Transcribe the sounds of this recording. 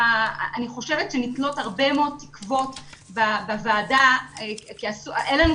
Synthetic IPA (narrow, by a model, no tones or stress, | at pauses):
aniχo̞ʃevetʃenitlo̞thaʁbemeod̚t̪i̥kvo̞tbabavaːdaekiasuenlanu